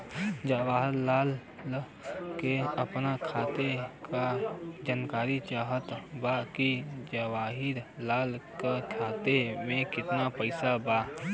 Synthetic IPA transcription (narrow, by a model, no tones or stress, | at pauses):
d͡ʒəwaːɦɪɾːaːl | keəpnakʰaːt̪ekad͡ʒankaːɾit͡ʃaːɦət̪bakid͡ʒəwaːɦɪɾlaːlkakʰaːt̪emẽkɪt̪napəɪsaba